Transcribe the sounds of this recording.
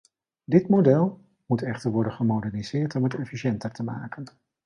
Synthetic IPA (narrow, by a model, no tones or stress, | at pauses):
dɪtmodɛlˠ | mutɛχtəɹʋɔɹdənχəmowdɛɹniz̥ɪːɹtɔmətɛfiʃɛntəɹtəma̰ːkən